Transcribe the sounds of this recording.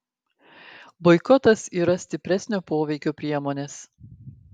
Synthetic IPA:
bɔɪkɔt̪ɐsiːɾɐsʲt̪ʲɪpʲɾʲɛsʲnʲoːpoːʋʲɛɪkʲoːpʲɾʲiɛmoːnʲeːs

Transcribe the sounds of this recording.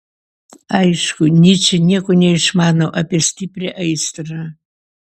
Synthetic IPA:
ajʂkʊnʲit͡ʃʰɪnʲekʷʼʊnʲejʂmaːnɐwʔɐpʲʼestʰiprʲeʔɐjstɨrɐ

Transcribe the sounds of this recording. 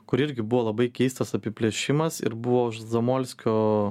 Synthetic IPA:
kʊɾɪɾʲɡʲɪbʊʋoːlˠɐbɐɪkʲɛɪst̪ɐsɐpʲɪpʲlʲeɛʃʲɪmɐsɪ̰ɾbʊʋoːʊʃzɐmoːlʲsʲkʲoː

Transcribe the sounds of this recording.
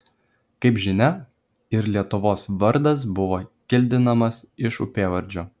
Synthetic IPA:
kɐɪpʒʲɪnʲɛ | ɪɾlʲiɛt̪ʊʋoːsʋɐɾd̪ɐs̬bʊʋoːkʲɪlʲd̪ʲɪnɐmɐsɪʃʊ̰pʲeːʋɐɾʲd͡ʒʲoː

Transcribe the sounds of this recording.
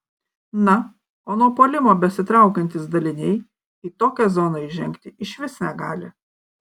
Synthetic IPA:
nɐ | oːnuɔpoːlʲɪmoːbʲɛsʲɪt̪ɾɑˑʊkɐnʲt̪ʲɪsd̪ɐlʲɪnʲɛɪ | iːt̪oːkʲɛzoːnɐɪʒʲɛŋʲkt̪ʲɪʔɪʃʲʋʲɪsnʲɛɡɑːlʲɪ

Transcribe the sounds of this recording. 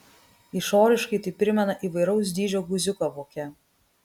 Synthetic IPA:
iˑʃoːɾʲɪʃkɐɪt̪ɐɪpʲɾʲɪmʲɛnɐʔiːˑʋɐɪɾɒʊs̬d̪ʲiːd͡ʒʲoːɡʊzʲʊkoʋoːkʲɛ

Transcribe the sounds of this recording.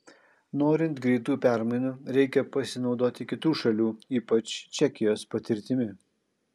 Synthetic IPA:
noːɾʲɪnt̪ɡɾʲɛɪt̪uːpʲæˑɾmɐɪnuːɾʲɛɪkʲɛpɐsʲɪnɒʊd̪oːt̪ʲɪkʲɪt̪uːʃɐlʲuːiːpɐt͡ʃt͡ʃʲɛkʲɪjoːspɐt̪ʲɪɾʲt̪ʲɪmʲɪ

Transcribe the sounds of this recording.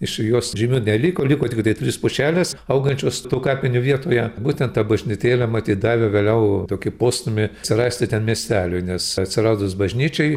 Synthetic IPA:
ɪʃjoːsʒʲɪmʲuːnʲɛlʲiːkoːlʲikoːt̪ʲɪkt̪ɐɪtʲrʲɪspʊʃʲæːlʲɛsɐʊɡɐnʲt͡ʃʲoːst̪uːkɑːpʲɪnʲʊʋʲiɛt̪oːjɛbuːt̪ʲɛnt̪ɐbɐʒʲnʲɪt̪ʲeːlʲɛmɐt̪ʲiːt̪̚d̪ɑːʋʲɪʋʲeːlʲɛʊt̪oːkʲɪpoːst̪ʊmʲɪsʲɪrɑːsʲt̪ʲɪt̪ʲɛnmʲiɛsʲt̪ʲæːlʲʊɪnʲɛsɐtʲsʲɪrɑːd̪osbɐʒʲnʲiːt͡ʃʲɛɪ

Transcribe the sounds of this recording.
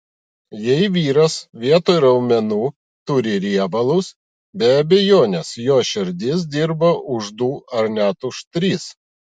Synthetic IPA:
jɛɪʋʲiːɾɐsʋʲiɛt̪oːɪɾɐʊmʲɛnuː | t̪ʊɾʲɪɾʲiɛbɐlˠʊs | bʲɛɐbʲɛjoːnʲɛsjoːʃʲɪɾʲd̪ʲɪs̬d̪ʲɪɾbɐʔʊʒd̪uːɐɾnʲæt̪ʊʃt̪ʲɾʲiːs

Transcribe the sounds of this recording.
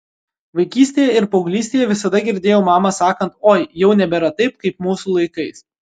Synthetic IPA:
ʋɐɪkʲiːsʲt̪ʲeːjɛɪɾpɔʊɡlʲiːsʲt̪ʲeːjɛʋʲɪsɐd̪ɐɡʲɪɾʲd̪ʲeːjoːmɑːmɐsɑːkɐnt̪oːjjɛʊnʲɛbʲɛɾɐt̪ɐɪp̚kɐɪpmuːsuːlˠɐɪkɐɪs

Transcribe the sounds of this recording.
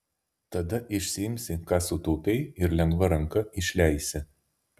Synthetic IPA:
t̪ɐd̪ɐʔɪʃʲsʲɪɪmʲsʲɪkɑːsʊt̪uːpʲɛɪɪɾlʲɛŋɡʋɐɾɐŋkɐɪʃʲlʲæˑɪsʲɪ

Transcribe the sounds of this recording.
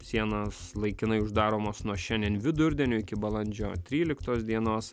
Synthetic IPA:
sʲiɛnɐslˠɐɪkʲɪnɐɪʊʒd̪ɑːɾoːmoːsnuɔʃʲɛnʲd̪ʲiɛnʋʲɪd̪ʊɾʲd̪ʲɛnʲʊːɪkʲɪbɐlˠɐnʲd͡ʒʲo̰ːt̪ʲɾʲiːlʲɪkt̪oːsd̪ʲiɛnoːs

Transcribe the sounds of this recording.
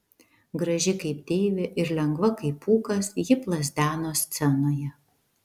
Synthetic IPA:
ɡɾɐʒʲɪkɐɪpt̪ʲeːʋʲɪʔɪɾlʲɛŋɡʋɐkɐɪpuːkɐsjɪplˠɐzʲd̪ʲæːnoːsʲt̪sʲɛnoːjɛ

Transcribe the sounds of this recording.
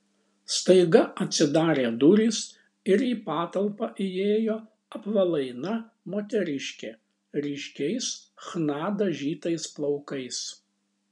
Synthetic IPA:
st̪ɐɪɡɐɐt̪ʲsʲɪd̪ɑːɾʲeːd̪ʊɾʲiːs | ɪɾiːpɑːt̪ɐlˠpɑʔɪjeːjoː | ɐpʋɐlˠɐɪnɐ | moːt̪ʲɛɾʲɪʃʲkʲeː | ɾʲɪʃʲkʲɛɪsxnɑːd̪ɐʒʲiːt̪ɐɪsplˠɒʊkɐɪs

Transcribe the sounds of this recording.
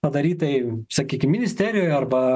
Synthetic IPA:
ɐd̪ɐɾʲiːt̪ɐɪsɐkʲiːkʲɪmʲɪnʲɪsʲt̪ʲæːɾʲɪjoːjɐrbɐ

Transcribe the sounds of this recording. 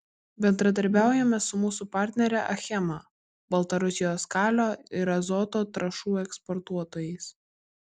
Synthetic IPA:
bʲɛnd̪ɾɐd̪ɐɾʲbʲæˑʊjɛmʲɛsʊmuːsupɑˑɾʲt̪ʲnʲɛɾʲɛʔɐ̰xʲɛmɑ | bɐlˠt̪ɐɾʊsʲɪjoːskɑːlʲoːɪɾɐzɔt̪oːt̪ɾɐʃuːɛkspɔɾt̪uɔt̪oːjɛɪs

